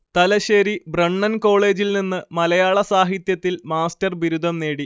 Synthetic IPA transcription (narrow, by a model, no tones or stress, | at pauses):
t̪ɐlɐɕeːɾibrɐɳːɐnko̞ːɭe̞ːd͡ʑilninːɨmɐlɐjaːɭɐsaːɦit̪jɐt̪ːilmaːstɐrʋiɾud̪ʱɐmne̞ːɽi